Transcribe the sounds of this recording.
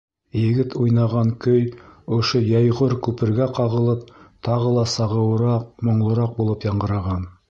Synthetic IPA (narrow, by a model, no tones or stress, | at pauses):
jɘ̆ɡɘt̪ujnɑʁɑŋkɵjŏʃojɑjʁoɾkʉpɘ̆ɾɡæqɑʁɤ̆lˠɤp̚t̪ʰɑʁɤlˠɑsɑʁɤ̆wɤɾɑq̚mŏɴlˠɤ̆ɾɑq̚bulˠɤpjɑɴɢɤ̆ɾɑʁɑn